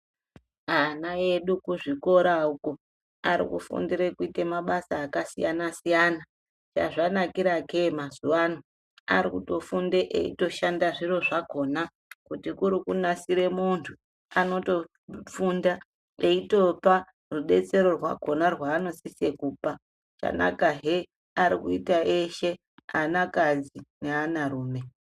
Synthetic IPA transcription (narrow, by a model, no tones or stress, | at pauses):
anaje̞ɗukuʐiko̞ɾauko | a̰ɾḭkṵfṵndiɾekuite̞maɓasaːkasijanasijana | t͡ʃa̰ʐanakiɾakemazuwano | a̰ɾikuto̞fundeʔḛḭto̞ʃandaʐiro̞ʐako̞na | kutikuɾikunasiɾe̞muntʰu | ano̞to̞ | funda | e̞ito̞pa | ruɓe̞t͡se̞ɾo̞rwa̰ko̞narwaːno̞sisekuːpa | t͡ʃa̰na̰kaɦe | aɾikuitaʔeʃe̞ | anakad͡zineanaruːme̞